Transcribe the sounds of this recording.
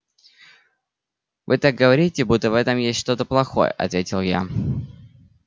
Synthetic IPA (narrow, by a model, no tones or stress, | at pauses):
vɨt̪ak̚ɡəvɐɾʲitʲɪbut̪ːəvɛt̪əmjesʲtʲʂt̪o̞t̪əplˠɐxo̞̰jə̰ʔɐ̰t̪vʲetʲɪlˠja̰